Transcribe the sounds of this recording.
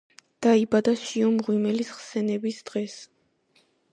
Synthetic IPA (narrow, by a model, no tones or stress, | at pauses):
d̪̥aibad̪aʃiɔmʁwimɛlisχsɛnɛbisd̪̥ʁɛs